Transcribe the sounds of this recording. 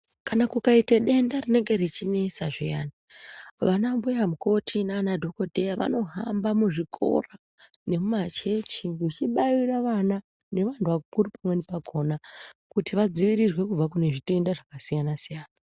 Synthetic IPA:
kanakukaiteɗe̞ndarine̞ŋɡe̞ɾit͡ʃinesaʐijaːnaʋanambujamuko̞tʰinaːnadʱo̞ko̞dʱe̞jaʋa̰no̞ɦambamuʐikʰo̞̰ra | ne̞mumat͡ʃet͡ʃikut͡ʃiɓairaʋana | ne̞ʋantʰuʋakukuripamwenepaɡʱo̞ːnakutiʋad͡ziʋiɾirwe̞kub͡vakune̞ʐite̞ndaʐakasijanasijaːna

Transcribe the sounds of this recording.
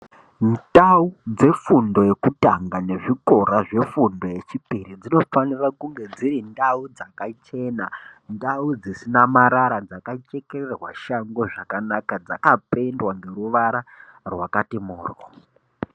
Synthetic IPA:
ndaud͡ze̞fundo̞je̞kutaŋɡane̞ʐiko̞ɾaʐe̞fundo̞je̞t͡ʃipirid͡zino̞fanirakuŋɡe̞d͡zirindaud͡zakat͡ʃe̞nandaud͡zisinamaɾaɾad͡zakat͡ʃe̞kererwaʃaŋɡo̞ʐakanakad͡za̰kapendwaŋɡe̞ɾuʋaɾarwakatimuːrwo̰

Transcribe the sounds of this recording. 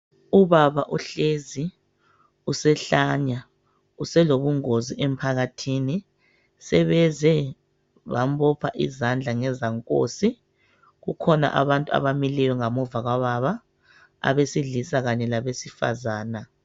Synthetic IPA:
uβaβaʔuɬezi | usɛɬaɲa | usɛloβuŋoziʔem̩pʰaɣatʰini | sɛβɛzɛ | βambɔpʰa̰ʔḭzand͡ɮʱaŋɛzaŋkʼo̰si | ɣukʰɔna̰ʔaβantʼua̰βamilɛjɔŋamɔvaɣwaβaβa | a̰βesiɮisaɣaɲɛlaβesifa̰zaːna

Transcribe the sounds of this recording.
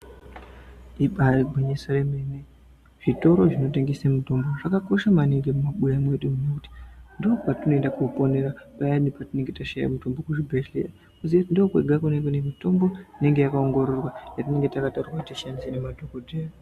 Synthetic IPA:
iɓaiɡʱweɲesaremene | ʐ̥ito̞ɾoʐino̞te̞ŋɡesemuto̞mbo̞ʐakako̞ʃamaneŋɡe̞mumaɓujamwe̞ɗemunekuti̥ndoopatino̞endakupo̞neɾapajanipatine̞ŋɡe̞taʃaja̰muto̞mbo̞kuʐibʱeɬḛja | kuzietindookweɡʱakuneŋɡenemito̞mbo̞ine̞ŋɡe̞jakao̞ŋɡo̞ɾo̞rwajatine̞ŋɡetakataurwakutiʃanisenemadʱokodʱeːro

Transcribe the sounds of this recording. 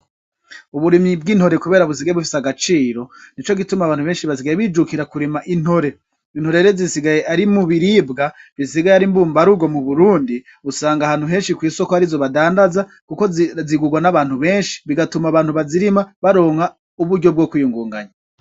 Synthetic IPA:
uβuɾimib̚ɡiːnho̞ɾe̞kuβe̞ːɾaβusiɡajeβufisaɡat͡ʃiːɾo̞nit͡ʃo̞ɡitumaβaːnhuβe̞ːnʃiβas̬iɡajeβiːd͡ʒukiɾakuɾimaʔin̥ho̞ɾe̞ | in̥ho̞ɾe̞ɾezisiɡaje̞ʔaɾimuβiɾibɡaβisiɡajeaɾimbuːmbaɾuɡo̞muβuɾuːndi | usaːŋɡahaːn̥huɦe̞ːnʃikwiːso̞kohaɾizo̞βadaːndaza | kuko̞ziɡuɡwanaβaːn̥huβe̞ːnʃi̥βiɡatumaβaːn̥huβaziɾimaβaɾo̞ːŋha | uβuɾɟob̚ɡoːkwijuŋɡuːŋɡaɲa

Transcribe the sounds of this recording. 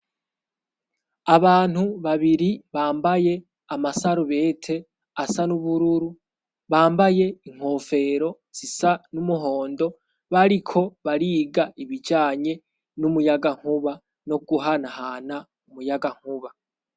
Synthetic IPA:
aβaːn̥huβaβiɾiβaːmbaje̞ | amasaɾuβe̞ːtʰe̞ | asanuβuɾuɾu | βaːmbaje̞iŋ̥ho̞fe̞ɾo̞ | z̥isanumuɦo̞ːndo̞ | βaɾikʰo̞βaɾiːɡaʔiβid͡ʒaːɲe̞ | numujaɡaŋ̥uβa | no̞ɡuɦanahaːna | umujaɡaŋ̥uβa

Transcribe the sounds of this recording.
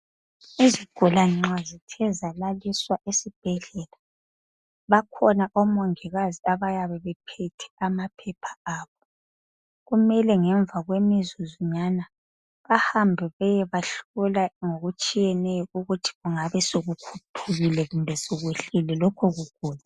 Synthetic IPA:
iziɡ̥ʱulaŋ͡ǁazitʰɛzalaliswaʔesib̥ʱɛɮɛla | βakʰɔnaʔɔmɔŋiɣaziaβajaβɛβɛpʰɛtʰɛ̥amapʰɛpʰḁaːβɔ | ɣumɛlɛŋɛɱb̪vʱaɣwemizuziɲana | βahambʱɛβɛjɛβaɬulaŋoɣut͡ʃʼijɛnɛjɔuɣutʰi̥ɣuŋaβɛsoɣukʰutʰuɣilɛɣumbʱɛsoɣweɬilɛlɔkʰɔɣuɡ̥ʱuːla

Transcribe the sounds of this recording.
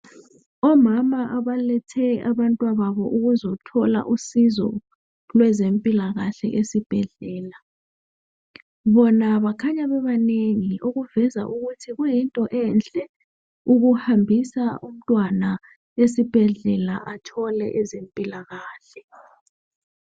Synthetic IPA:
ɔmamaʔaβalɛtʰɛaβantʼwaβaβɔʔuɣuzɔtʰɔla̰ʔusizɔ̰ | lwɛzempʼilaɣaɬɛ̰ʔesib̥ʱɛɮɛːla | βɔnaβakʰaɲaβɛβaneŋioɣuvɛza̰ʔuɣutʰiɣujintʼɔʔɛnt͡ɬʼɛ | uɣuhambʱisaum̩tʼwana | esib̥ʱɛɮɛlaʔatʰɔlɛ̰ʔɛzempʼilaɣaːɬɛ̥

